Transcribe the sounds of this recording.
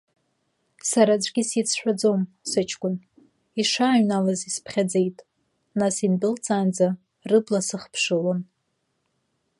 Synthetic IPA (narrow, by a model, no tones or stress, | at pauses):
saɾad͡ʒʷʼɡʲisit͡sʰħʷᶣad͡zom | sɨt͡ʃʰkʷʼʊn | iʂaːɥnalazispʰχʲad͡ze̞jtʼ | nasindɨlt͡sʼaːnd͡za | rɨblasɨχpʰʂɨlon